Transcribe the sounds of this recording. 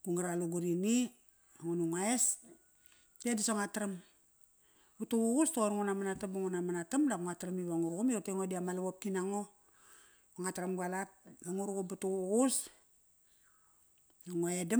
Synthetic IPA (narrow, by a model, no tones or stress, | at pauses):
kuŋaɾaluɡuɾini | aŋunuŋaes | dadisoŋatɾam | butuwuɡustooɾŋunamanatabaŋunamanatamdakuŋatɾamiβaŋuɾɣumioteŋodiamalaβop̚kinaŋo | oŋatɾamɡalap̚laŋuɾukubatuɡus | naŋoeda